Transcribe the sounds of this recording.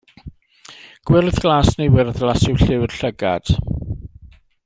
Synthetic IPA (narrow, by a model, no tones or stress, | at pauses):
ɡ̥wɪlθɡ̥laːsnejwɪrðlasɪwɬɪwd̥ɬəɡa̰d̥